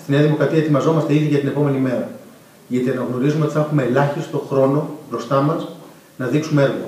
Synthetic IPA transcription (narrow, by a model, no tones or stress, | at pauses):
st̪ineɐðimo̞kɾɐt̪iɐe̞t̪imɐzo̞mɐst̪e̞iðiʝɐt̪ine̞po̞me̞nime̞ɾɐ | ʝɐt̪iɐnɐɣno̞ɾizumeo̞t̪iθɐnxume̞ːlɐçist̪o̞xɾo̞no̞b̥ɾo̞st̪ɐmɐs | nɐðiksumee̞ɾɣo̰